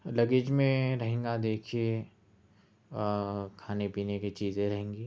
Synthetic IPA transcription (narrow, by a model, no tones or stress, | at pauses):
lɐɡɪd͡ʒmẽɾɐɦẽːŋɡad̪eːkʰie | kʰaːnepiːnekit͡ʃiːzẽɾɐɦẽːŋɡiː